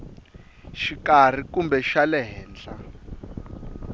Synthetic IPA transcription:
ʃikar̤ikumbɛʃalɛɦɛːnd͡ɮa

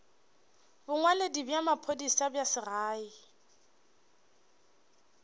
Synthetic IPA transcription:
bʊŋwaledibjamapʰodisabjasɪraːi

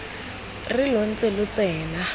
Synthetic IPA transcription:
rɪlon̩t͡sʼelʊt͡sɛːla

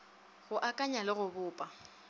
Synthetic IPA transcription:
ɣʊʔakʼaɲalɪɣʊbʊːpʼa

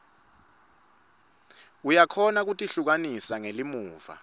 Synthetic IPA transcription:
ujakʰɔnak̬utʼiɬuk̬anisaŋelimuːva̰

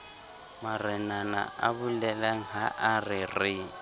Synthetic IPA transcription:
marɛnana̰a̰bulɛlaŋ̩ɦaʔarɪrɪ

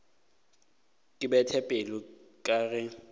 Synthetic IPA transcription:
kʼɪbɛtʰɛpʼelʊkʼaːɣɛ

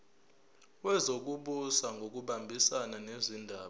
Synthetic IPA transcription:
wɛzok̬uɓusaŋɡʱok̬uɓambʱisananezindʱaːɓ

